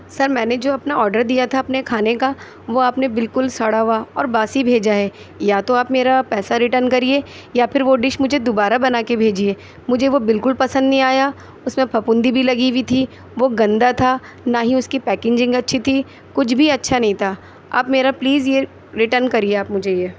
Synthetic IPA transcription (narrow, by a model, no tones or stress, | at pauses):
sɐɾmɛ̃ːned͡ʒoːɐpnaɔːɾɖəɾd̪ijat̪ʰaɐpnekʰaːneka | ʋoaːpnebɪlkʊlsɐɽaːʋaɔ̰ːɾbaːsibʱeːd͡ʒaɦɛː | jaːt̪oaːpmeːɾapɛːsaɾɪʈəɾnkɐɾie | japʰɪɾʋoɖɪʃmʊd͡ʒʱed̪obaːɾabɐnaːkebʱeːd͡ʒieː | mʊd͡ʒʱeʋobɪlkʊlpɐsə̃nd̪nɐɦĩaːja | ʊsmẽpʰɐpʊ̃nd̪ibʱilɐɡiʋit̪ʰi | ʋoɡɐ̃nd̪at̪ʰa | naːɦĩʊskipɛːkɪ̃ɲd͡ʒɪ̃ŋɡɐtːʃʰit̪ʰi | kʊt͡ʃʰbʱiɐtːʃʰanɐ̃ɦĩt̪ʰaː | a̰ːpmeːɾapliːzje | ɾɪʈəɾnkɐɾieaːpmʊd͡ʒʱejeː